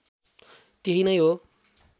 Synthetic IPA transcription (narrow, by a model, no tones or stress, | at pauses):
t̪eɦinʌjɦo